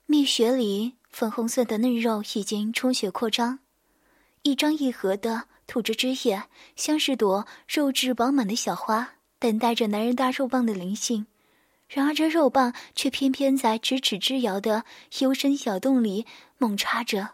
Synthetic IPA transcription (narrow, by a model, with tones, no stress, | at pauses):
mi˥˩ɕɥɛ˧˥li˨˩˦ | fə˥˩nxʊ˥ŋswə˥˩d̪ə˩nə˥˧ɻo˥˧ʊi˨˩t͡ɕi˥ŋʈ͡ʂʰʊ˥ŋɕɥɛ˨˧˥kʰwɔ˥˩ʈ͡ʂɑ˥ŋ | i˥˩ʈ͡ʂɑ˥ŋi˥˩xɤ˧˥d̪ə˧ | t̪ʰu˨˩ʈ͡ʂɻ̩˥ʈ͡ʂɻ̩˥jɛ˥˩ɕjɑ˥ŋʂɻ̩˥˩t̪wɔ˧˥ɻo˥˧ʊʈ͡ʂɻ̩˥˩wɑ˧˥ŋma˨˩nd̪ə˦ɕjɑ˨˩ʊxwa˥ | t̪a˥˩nt̪a˥˩ɪʈ͡ʂə˩na˧˥nɻə˧˥nt̪a˥˧ɻo˥˧ʊpɑ˥˩ŋd̪ə˩li˧˥ŋɕi˥˩ŋ | ɻa˧˥nə˞˧˥ʈ͡ʂɤ˥˧ɻo˥˧ʊpɑ˥˧ŋt͡ɕʰɥɛ˥˩pʰjɛ˥npʰjɛ˥nt͡sa˥˩ɪʈ͡ʂɻ̩˧˥ʈ͡ʂ̩ʰ˨˩ʈ͡ʂɻ̩˥˩ljɑ˧˥ʊd̪ə˧xjo˥ʊʂə˥nɕjɑ˨˩ʊt̪ʊ˥˩ŋli˨˩˦mʊ˥˩ŋʈ͡ʂʰa˥ʈ͡ʂə˧˩